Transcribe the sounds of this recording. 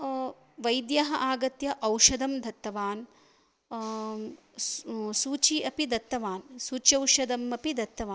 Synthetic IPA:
ʋɐjd̪jɐɦɐʔaːɡɐt̪jɐʔɐwʃɐd̪ɐmd̪ʱɐt̪ːɐʋaːn | suːt͡ʃiɐpid̪ɐt̪ːɐʋaːnsuːt͡ʃɐwʃɐd̪ɐmɐpid̪ɐt̪ːɐʋaːn

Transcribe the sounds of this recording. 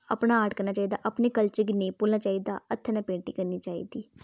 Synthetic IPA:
əpnaːaːʈkəɾnaːt͡ʃaːiːd̪a̰ːʔəpneːkəlt͡ʃɪɡnepʊlnaːt͡ʃaːiːd̪a̰ːət̪ʰːenãpẽːɳʈiːkəɾniːt͡ʃaːḭːd̪iː

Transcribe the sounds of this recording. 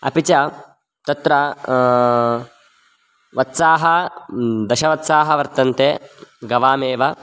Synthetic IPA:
ɐ̰pit͡ʃɐ | t̪ɐt̪ɾɐ | ʋɐt̪saːɦɐ | d̪ɐʃɐʋɐt̪saːɦɐʋɐɾt̪ɐnt̪eɡɐʋaːmeːʋɐ

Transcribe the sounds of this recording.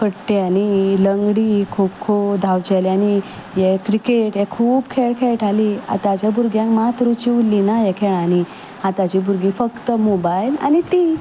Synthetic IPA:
fəɽʈeaniləŋɡɽikʰubkʰod̪ʱawd͡ʑaliani | jekɾikeʈjekʰuːbkʰeɭkʰeɭʈʰalia̰t̪at͡ɕjabuɾɡjãŋkmat̪ɾut͡ɕiulːinajekʰeɭani | ɦat̪at͡ɕibuɾɡifəkt̪əmobaila̰nit̪i

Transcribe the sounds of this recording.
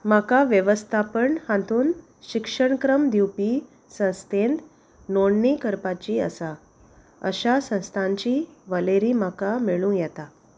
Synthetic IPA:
makaʋjəʋəst̪ʰapəɳhãnt̪uːn | ɕikʂəɳkɾəmd̪iwpiː | sə̃st̪ʰend̪ | noɳnikəɾpat͡ɕiːə̰sa | ə̰ɕasə̃w̃st̪ʰãɲt͡ɕiːʋəleɾiːmakamiɭũjɛt̪a

